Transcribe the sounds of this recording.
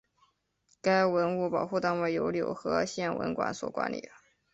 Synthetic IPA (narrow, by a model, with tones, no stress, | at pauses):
ka˥ɪwə˧˥nu˥˩pɑ˨˩ʊxu˥˩t̪a˥nwe˥˩ɪjo˧˥ʊljo˨˩ʊxɤ˧˥ɕjɛ˥˩nwə̰˧˥nkwa̰˧˩nswɔ̰˨˩kwa̰˧˥nlḭ˨˩ə˦